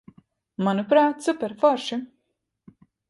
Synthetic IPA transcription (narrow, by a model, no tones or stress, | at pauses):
manupɾaːt̪supʲɛɾfɔɾʃi